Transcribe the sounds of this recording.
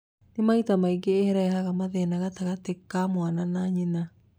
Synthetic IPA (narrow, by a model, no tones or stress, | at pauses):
nemaitamaiɡeːhɛɾaɛhaɣamaðɛnaɣataɣatekamwananaɲena